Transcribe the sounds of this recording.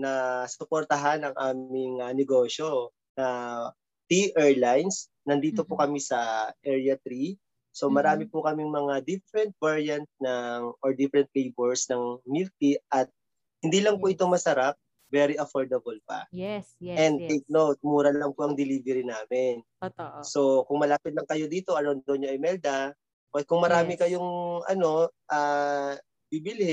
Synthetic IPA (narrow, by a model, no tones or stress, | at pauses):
nɐsʊpoɾt̪ɐɦanɐŋʔaːmɪŋɐnɛɡo̞ːʃo̞ | nɐ | t̪ɾiʔɛɹlajns | nɐnd̪iːt̪o̞pokɐmisɐʔɛɹjɐt̪ɾi | so̞mɐɾaːmɪpʊkɐmɪŋmɐŋad̪ifɛɾɛnt̪̚vaɹjɐnt̪̚nɐŋʔoɹd̪ifɛɾɛnt̪̚lejbɛɹsnɐŋmilt̪iʔɐt̪̚ | hɪnd̪iːlɐŋpʊʔɪt̪o̞ŋmɐsɐɾap̚ | vɛɾiʔɐfoɹd̪ɐbɐlpɐ̰ | ɛnd̪̚t̪ejk̚nowt̪̚muːɾɐlɐŋpʊʔɐŋd̪ɪliːvɛɾinaːmɪn | so̞kʊŋmɐlaːpɪt̪lɐŋkɐjo̞d̪iːt̪o̞ʔɐnond̪onɲoʔɐjmɛld̪ɐ | pɐkʊŋmɐɾaːmɪkɐjoŋʔɐ̰no̞ʔaː | bibɪlɪ